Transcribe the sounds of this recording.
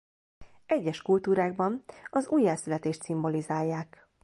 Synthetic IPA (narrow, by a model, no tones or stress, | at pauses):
ɛɟːɛʃkult̪uːɾaːɡbɒnɒzuːjːɛlsylɛt̪eːʃt̪simbo̞lizaːjːaːk